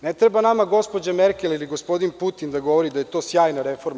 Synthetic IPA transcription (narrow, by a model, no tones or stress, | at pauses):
net̪ɾebanamaɡo̞spod͡ʑameɾkʲeliliɡo̞spo̞d̪input̪ind̪aɡo̞ʋo̞ɾid̪aje̞t̪o̞ːsjaːjnaɾefo̞ɾm